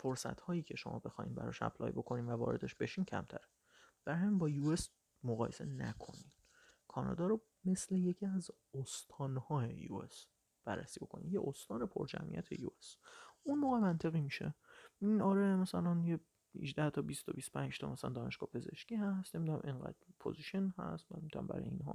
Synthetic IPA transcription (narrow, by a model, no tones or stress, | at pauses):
foɾsæ̰t̪hɒːjiːcʰe̞ʃo̞̰mɒ̰ːbe̞xɒːhḭːnbæ̰ɾɒ̰ʃæ̰pʰlɒ̰ːjbo̞kʰo̞niːnvævɒ̰ːɾe̞d̪eʃbe̞ʃiːncʰæ̰mt̪ʰæ̰ɾe̥ | b̥æɾæmbɒːjues | moɣɒːje̞se̞̰næ̰kʰo̞̰ni̥ | kʰɒːnɒ̰ːd̪ɒːɾo | me̞sle̞je̞cʰiæz | ost̪ʰɒːnhɒːejṵes | b̥æɾːæ̰siːbo̞̰kʰo̞nḭmjeʔost̪ɒːnepʰo̰ɾd͡ʒæ̰mʔḭjæ̰t̪ʰe̞̰jṵesunmoːɣemænt̪ʰe̞ɣiːmiʃeinɒːɾemæsælænje | hḭʒd̪æht̪ʰɒːbist̪ʰɒbist̪opʰænd͡ʒt̪ʰɒmæsælæ̰nd̪ɒːneʃɡ̥ɒːhpʰe̞ze̞̰ʃciːhæst̪nemid̪unæmʔeŋɢæ̰d̪̥pʰo̰ziʃenhæ̰st̪mænemid̪unæ̰mbæ̰ɾɒ̰jeinɦɒ̰ː